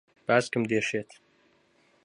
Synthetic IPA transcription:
b̥aːzkɨmd̪eʂet̪ʰ

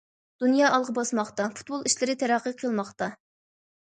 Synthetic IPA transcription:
d̪̥unjɑːʔɑlˠʁəbɑsmɑχt̪ɑfu̥t̪̚bolˠiʃlɪɾɪt̪ʰɛɾæqʰːəqʰəlˠmɑχt̪ɑ

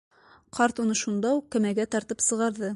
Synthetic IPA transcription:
qɑɾt̪unɤʃund̪ɑuqːæ̆mæɡæt̪ɑɾt̪ɤpsɤ̆ʁɑɾðɤ

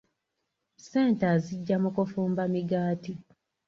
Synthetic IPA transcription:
se̞ːntaziɟːamukufuːmbamiɡaːti

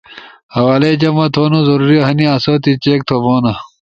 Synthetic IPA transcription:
hɐwaːled͡ʑɐmɐt̪ʰoːnozɐɾuːɾiɐɦɐniasɐt̪it͡ɕeːk̚t̪ʰoboːnɐ

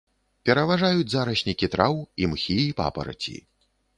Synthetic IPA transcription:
pʲɛɾɐvaʐajud͡zʲzaɾɐɕʲnʲikʲit̪ɾʔawimxʲiipa̰pɐ̰ɾɐ̰t͡sʲḭ

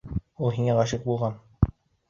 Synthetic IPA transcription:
ulˠɦiŋæʁɑʃɘq̚bulˠʁɑn

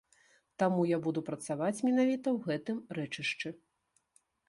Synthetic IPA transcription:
t̪amujabud̪upɾɐt̪savat͡sʲmʲinavʲit̪ɐwɣɛt̪ɨmɾɛt͡ʂɨʂt͡ʂɨ

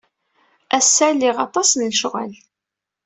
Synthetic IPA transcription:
æsːælːiʁɑt̪ˤɑsnlʃʁæ̰l

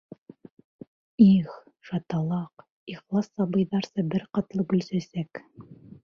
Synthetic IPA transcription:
iχ | ʃɑt̪ɑlˠɑq | iχlˠɑsːɑbɤ̆jðɑɾsɤbɘɾqɑt̪lˠɤkɵ̆lsæsæk

